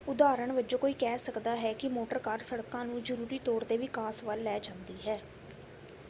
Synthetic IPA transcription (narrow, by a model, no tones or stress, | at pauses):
ʊd̪aːɾəɳʋəd͡ʒoːkoːiːkɛːsəkd̪aːɦɛːkɪmoːʈəɾkaːɾsəɽkãːnũːzəɾuːɾiːt̪ɔːɾd̪eːʋɪkaːsʋəlːɛːd͡ʒãːnd̪iːɦɛː